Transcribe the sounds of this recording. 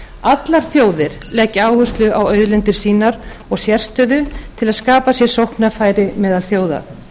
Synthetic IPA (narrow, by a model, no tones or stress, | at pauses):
at̪laɾ̥θjoːwðɪɾ̥lɛːcɪaːwhʏst̪lʏawœɥðlɛnt̪ɪɾ̥siːnaɾɔɣsjɛr̥st̪œðʏt̪ʰɪlaðskaːpasjɛ̥sowhknafaːjɾɪmɛːðalθjoːwða̰